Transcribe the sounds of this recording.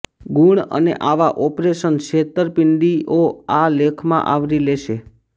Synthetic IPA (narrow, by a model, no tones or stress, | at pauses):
ɡuɳə̰nḛʔaʋaʔɔpɾeʃənʃet̪əɾpɪnɖ̪iʔoalekʰmã̰ʔaʋɾileʃe